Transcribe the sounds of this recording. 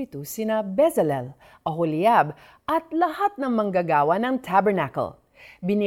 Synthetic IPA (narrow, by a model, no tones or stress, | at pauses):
it̪usinabɛzɛlɛl | ʔɐɦoliab | ʔɐt̪̚lɐhat̪̚nɐŋmɐŋɡaɡaːwanɐŋt̪ʰabɛɹnako̰l | bɪni